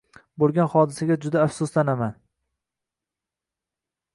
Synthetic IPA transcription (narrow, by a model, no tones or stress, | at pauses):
bolˠɡʲanχɒd̪ɪsaɡʲad͡ʒʊd̪aːfsʊslanaman